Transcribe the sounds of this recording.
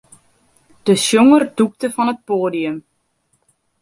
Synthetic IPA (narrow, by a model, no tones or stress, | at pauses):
d̥əsjoŋərduk̚təfɔnət̚poːdiəm